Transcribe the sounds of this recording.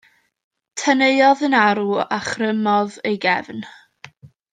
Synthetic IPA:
tʰəneɨɔðənaɾuaχrəmɔðejɡɛvn

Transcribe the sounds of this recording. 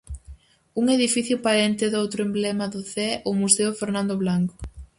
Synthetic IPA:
uŋeðifiθjʊpaɾent̪ɪðowt̪ɾʊemblɛmaðʊθɛʊmuseʊfeɾnãnd̪oβlaŋkʊ̥

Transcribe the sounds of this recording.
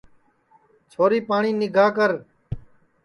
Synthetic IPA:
t͡ʃʰoːɾiːpaːɳiːnɪɡʱaːkəɾ

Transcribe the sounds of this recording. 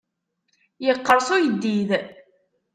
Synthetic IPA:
jəqːəɾˤsʊjəd̪ːið

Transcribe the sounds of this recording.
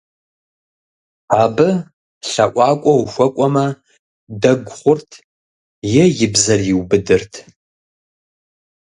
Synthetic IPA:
aːbɨ | ɬɐʔʷʼɑːkʷʼɔwxʷɐkʷʼɔmɐ | dɐɡʷχʷʊrtʰ | jɛjɪbzɐrjɪwbɨdɨrtʰ

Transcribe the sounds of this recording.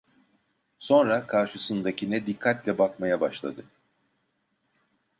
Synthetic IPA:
so̞nɾakʰaɾʃɯsɯnd̪acʰinɛd̪ikʰːat̪lʲɛbakmajabaʃlˠa̰d̪ɯ

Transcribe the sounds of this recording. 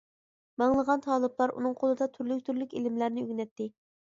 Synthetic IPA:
mɑŋlˠəʁɑnt̪ʰɑːlˠɨblˠɑɾṵnɨŋqʰolˠɨd̪ɑt̪ʰyɾlyk̚ʲt̪ʰyɾlykʲelɪmlæɾnɪøɡʲnɛt̪ːɪ

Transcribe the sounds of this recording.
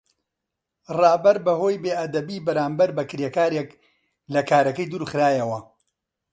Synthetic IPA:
rɑːbɐɾbɐhoːjbeːʔɐd̪ɐbiːbɐɾaːmbɐɾbɐkɾekaːɾek | lɐkʰaːɾɐkɐjd̪uːɾxɨɾaːjɐwɐ

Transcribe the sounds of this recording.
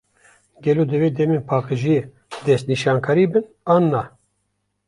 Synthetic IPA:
ɡʲɛloːd̪ɨveːd̪ɛmeːnpʰɑːqəʒie | d̪ɛst̪̚niʃɑːnkʰɑːɾiːbɨn | ɑːnːɑ

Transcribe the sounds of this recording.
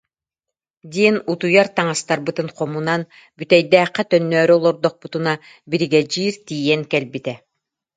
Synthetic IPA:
d̪iɛnut̪ujaɾt̪aŋast̪aɾbɯt̪ɯnqɔmunan | byt̪ɛjd̪ɛːqːɛt̪œnːœːɾyɔlˠɔɾd̪ɔq̚put̪una | biɾiɡɛd͡ʑiːɾt̪iːjɛŋkɛlbit̪ɛ

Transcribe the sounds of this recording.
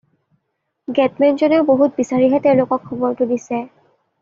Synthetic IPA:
ɡɛtmɛnzɔnɛʊboɦut̚bisaɹiɦɛteʊ̃lokɔkʰːɔbɔɹtudisɛ

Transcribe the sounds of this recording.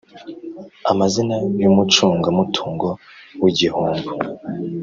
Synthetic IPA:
a̰mazinajumut͡ʃuːŋɡamutʰuːŋɡo | wiɟihuːŋɡu

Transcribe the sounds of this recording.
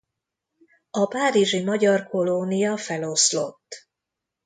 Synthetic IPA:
ɒpaːɾiʒimɒɟɒrko̞lonijɒfɛlo̞slo̞t̪ː

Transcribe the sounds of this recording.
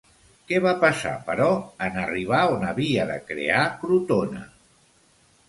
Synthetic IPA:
kɛβapəsa̰pəɾɔənəriβ̞aonəβiəðə̰kɾḛakɾut̪onə̰

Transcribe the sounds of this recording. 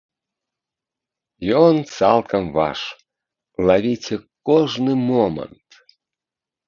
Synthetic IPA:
jont͡sɑlˠkəmvɑ̰ʃ | lɑβʲitʲekoʒnɨmomə̰nt̪

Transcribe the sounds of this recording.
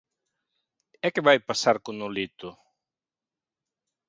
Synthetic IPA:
ɛkːevajpasaɾkunulit̪u

